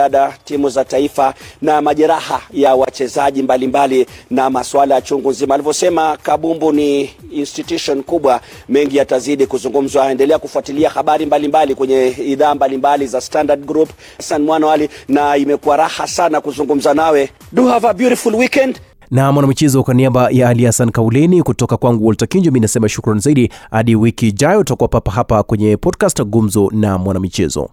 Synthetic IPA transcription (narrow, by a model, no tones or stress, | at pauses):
aɗatimuzataifanamaʄɛɾahajawat͡ʃɛzaʄimbalimbalinamaswalajat͡ʃuŋɡunzimaːlivɔsɛmakaɓumbuniːnstitjuʃɔnkuɓwa | mɛŋɡijataziɗikuzuŋɡum̩zwaɛndɛlɛakufuatiliahaɓaɾimbalimbalikwɛɲɛiðaːmbalimbalizastandaɗɡɾup | sanmwanaalinaimɛkuwaɾahasanakuzuŋɡum̩zanawɛ | ɗuhavabjuɾifulwikɛnd | namwanamit͡ʃɛzɔkwaniaɓajaalihasankaulɛnikutɔkakwaŋɡuwɔltakiɲd͡ʒɔminasɛmaʃukɾanizaiɗihaɗiwikiːʄajɔutakuwapapaɦapakwɛɲɛpʰɔdkastɡum̩zɔnamwanamit͡ʃɛzɔ̰